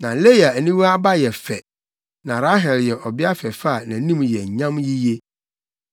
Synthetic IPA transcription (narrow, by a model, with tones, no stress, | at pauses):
nã˨le˦ja˨æ˨nĩ˦wa˦ba˦jɛ˨fɛ˨ | nã˨ɾa˦ɦɛ˨ljɛ˨ʔɔ˨bɪ˦a˦fɛ˨fa˦˨nã˨˦nĩ˦m˨jɛ˨ɲã˦mji˦je˦